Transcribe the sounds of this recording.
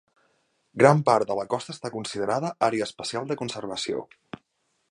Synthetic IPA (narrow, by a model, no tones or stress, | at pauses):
ɡɾampaɾt̪d̪ələkɔst̪əːst̪akunsið̞əɾaðəʔaɾeəːspəsialˠd̪əkunsərβəsio̰